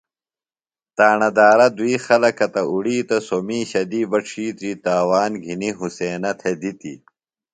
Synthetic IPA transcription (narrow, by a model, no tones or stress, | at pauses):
t̪aːɳɐd̪aːɾɐd̪uiːxɐlɐkɐt̪ɐuɽiːt̪ɐsomiːɕɐd̪iːbɐʈ͡ʂʰiːt̪ɾiːt̪aːwaːnɡʱiniɦuseːnɐt̪ʰed̪it̪ḭ